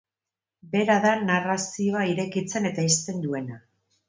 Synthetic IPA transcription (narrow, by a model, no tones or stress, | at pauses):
be̞ɾaðanarasio̞aiɾe̞kit͡se̞ne̞t̪aist̪e̞nd̪ue̞na